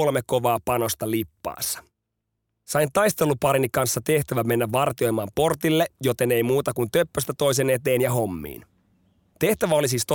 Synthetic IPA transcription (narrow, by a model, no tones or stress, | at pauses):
olmekkːo̞ʋɑːpɑno̞st̪ɑlipːɑ̰ːsːɑ̥ | sɑjnt̪ɑjst̪e̞lupɑɾinikɑnsːɑt̪e̞ht̪æʋæme̞nːæʋʋɑrt̪io̞jmɑːmpo̞rt̪ilːejo̞t̪e̞ne̞jmuːt̪ɑkunt̪ø̞pːøst̪æt̪o̞js̬e̞ne̞t̪e̞ːnjɑɦo̞mːḭːn | t̪e̞ht̪æʋæo̞lisiːst̪o